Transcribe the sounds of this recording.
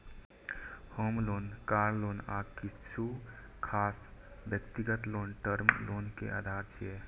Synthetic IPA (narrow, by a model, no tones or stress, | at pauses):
homlonkaɾlonakit͡ʃʰu | kʰasbjəkt̪iɡət̪lonʈəɾmlonkḛʔa̰ːd̪ʱaɾt͡ʃʰiɛ